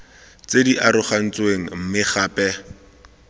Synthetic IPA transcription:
t͡sediʔaɾʊχan̩t͡sweŋ̩m̩mɪχaːpɛ

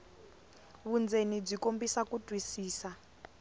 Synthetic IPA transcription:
βund͡zenib͡ʐikombisakutwisiːsa

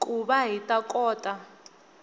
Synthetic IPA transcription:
kʼuɓaɦitʼakʼɔːtʼa

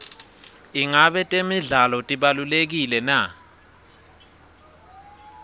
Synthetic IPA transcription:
iŋaɓɛtʼemiɮalɔtʼiɓalulek̬ilɛna

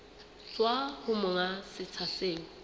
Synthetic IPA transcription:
t͡swahʊmʊŋasɪt͡sʰaseːŋ̩

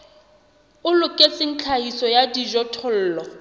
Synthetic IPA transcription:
ʊlʊkʼet͡sɪn̩t͡ɬʰahisɔjadiʒɔtʰɔl̩ːlɔ

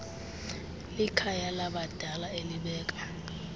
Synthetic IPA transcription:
likʰajalaɓad̥ʱalaeliɓɛːkʼḁ

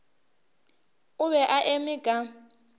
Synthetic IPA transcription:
ʊβɛʔaʔemiɡ̥ʱa

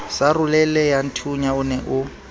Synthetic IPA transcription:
sarʊlɛlɛjan̩tʰuɲaʊnɛʔʊ

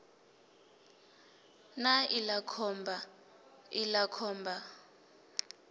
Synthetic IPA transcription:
nailakʰɔmbʱa | ilakʰɔːmbʱa

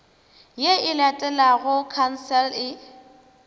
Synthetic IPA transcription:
jeɪlatʼɛlaɣʊkʰan̩sɛlɪ

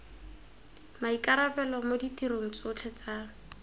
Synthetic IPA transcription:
maikʼaɾabɛlɔmoditʼiɾoŋ̩t͡sʊt͡ɬʰɛt͡sa

